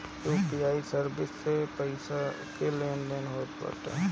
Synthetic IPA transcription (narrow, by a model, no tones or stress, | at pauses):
uːpiaːisəɾbɪsːepəɪsa | keleːnleːnɦoːt̪pa̰t̪a̰ɦ